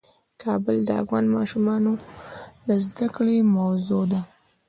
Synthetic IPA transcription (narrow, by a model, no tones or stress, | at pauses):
kʰɑbəld̪əa̰fɣɑnmɑʃumɑnod̪əzd̪akɽemawzod̪a